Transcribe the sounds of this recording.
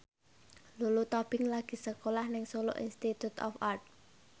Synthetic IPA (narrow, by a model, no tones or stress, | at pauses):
lulut̪ɔb̥ɪŋlaɡ̥i̤səkolahnɪŋsolo̰ʔḭnst̪it̪ut̪ɔ̰fart̪̚